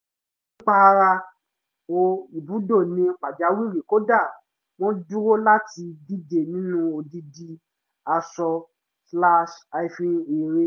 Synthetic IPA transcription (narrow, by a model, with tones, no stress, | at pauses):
n | ĩ˦k͡pa˦˧ɾa˧ | o˧i˨bu˨˦do˦˨nĩ˧˦k͡pa˨d͡ʒa˨˧˦wi˦˨ɾi˨ko˦da˦˨ | w̃ɔ̃˦du˦ɾo˦la˦ti˧di˦de˨nĩ˨˦nũ˦o˧di˧di˧ | a˧sɔ˧ | sla˦ʃa˧i˧fĩ˧e˨ɾe˦